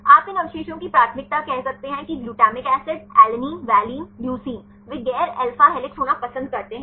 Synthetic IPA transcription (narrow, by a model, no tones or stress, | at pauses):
aːpɪnɐʋɪʃeːʃõkipɾaːt̪ʰmɪk̚t̪akɛɦsɐk̚t̪eɦɛ̃kiɡluːʈaːmɪkɛːsɪɖɛːlniːʋɛːliːnbjuːsiːn | ʋɪɡɛːɾɛːlfaɦɛlɪksɦoːnapɐsə̃nd̪̚kɐɾt̪eɦɛ̃